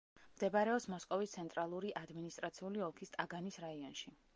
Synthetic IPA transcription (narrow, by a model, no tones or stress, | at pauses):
md̪ɛbaɾɛɔpsmɔskʼɔvist̪sʰɛnt̪ʼɾalˠuɾiʔad̪minist̪ʼɾat̪sʰiuliɔlˠkʰist̪ʼaɡanisɾaiɔnʃi